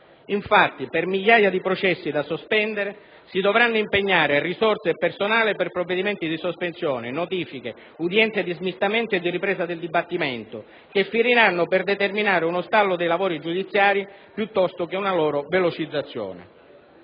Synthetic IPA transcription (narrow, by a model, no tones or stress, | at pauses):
iɱfat̪ːipermiʎːaːjad̪ipɾot͡ʃɛsːid̪asospɛnd̪eɾe | sid̪ovɾanːʊimpeɲːaːɾerisɔrt̪sepersonaːliperpɾovːed̪imɛnt̪id̪isospensjɔːnenot̪iːfike | ud̪jɛnt̪sed̪izmist̪amɛnt̪oed̪ːiripɾɛːzad̪eld̪ibat̪ːimɛnt̪ʊ | kefːiɾiɾanːʊperd̪et̪erminaːɾeunost̪alːʊd̪ejlavoːɾid͡ʒud̪it̪sːjaːɾi | pjut̪ːɔst̪ʊk̟eunalɔːɾovelot͡ʃid̪zːat̪sːjɔ̰ːnḛ